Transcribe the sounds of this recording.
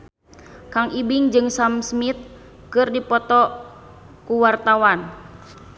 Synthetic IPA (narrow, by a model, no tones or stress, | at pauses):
kaŋʔibiŋd͡ʒɨŋsamsmit̪̚ | kɨrdipɔt̪ɔ | kuwart̪awan